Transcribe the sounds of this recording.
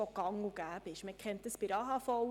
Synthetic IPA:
ɔkɑŋuɡ̥æːbɪʃməkχɛntdəsbɪɾɑɦɑfɔw

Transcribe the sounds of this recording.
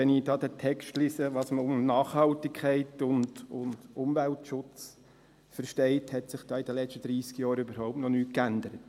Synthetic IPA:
ɛnidɑːdətʰɛkʃtliːsəʋɑːsməʊmnɑːχhɑltɪkʰχɛɪtʊndʊnd̥ʊmvæltʃʊt͡s | fəɾʃtɛɪthɛtsɪχd̥ɑːid̥ɛlɛʃtəd̥̪ɾiːskjɑːɾybəɾɦɔʊp̚tnɔnyːtkændəɾət

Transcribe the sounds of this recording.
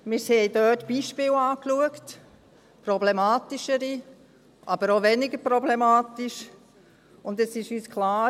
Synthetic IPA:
mɪːɾsɛjdœːtb̥iːʃpɪːlaːkluəkt | pɾɔblɛmaːtiʃəɾi | ʔɑbəɾoʋɛniɡəɾpɾɔblɛmaːt̪iʃ | ʊndɛsɪʃyːskʰlaː

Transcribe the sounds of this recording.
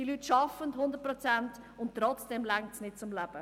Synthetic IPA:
d̥ilyːtʃɑfənthʊnd̪ət̚pɾɔt͡sænt | ʊnttːɾɔt͡sd̥ɛmlæŋtsnɪt̚t͡sʊmlæb̥ə

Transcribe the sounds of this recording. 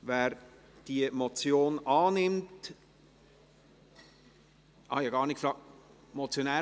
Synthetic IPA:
ʋæːɾ | d̥iəmɔt͡sjoːnɑːnɪmt | hɑ̰jjɑɡɑːɾnɪt̚kfɾɑːk̚ | mɔt͡sjonæː

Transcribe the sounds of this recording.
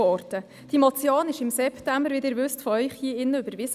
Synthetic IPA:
ɔɾtə | d̥imɔt͡sjoːnɪʃɪmsɛptæmbəɾʋɪd̪əɾvʉstfɔœʏχhiːɪnːəybəɾʋɪs

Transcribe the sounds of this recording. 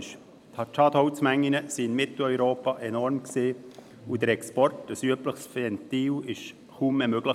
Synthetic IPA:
ʃ | t̪ʰɑtɑd̥̪hɔt͡smæŋːinəsiɪnmɪt̪l̩œʏɾoːpɑʔɛnɔɾmksiː | ud̥̪əɾɛkspɔrtəsyəpləχsfɛnt̪iːwɪʃ | χuːmːɛmøɡ̥lə

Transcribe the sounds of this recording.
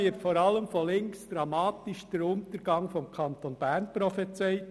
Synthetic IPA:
ɪːtfoːɾɑləmfɔlɪŋksd̪̥ɾɑmɑːtɪʃd̥əɾʊntəɾɡ̥ɑŋfɔmkʰɑnt̪onb̥æːɾnpɾɔfɛt͡sɛɪ

